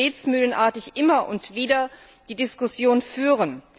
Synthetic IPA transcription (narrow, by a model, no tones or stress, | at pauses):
eːt͡smyːlənʔaːɐtɪçʔɪmɐʔʊntv̥iːdɐ | d̥iːdɪskʊsjoːnfyːʁ̞ən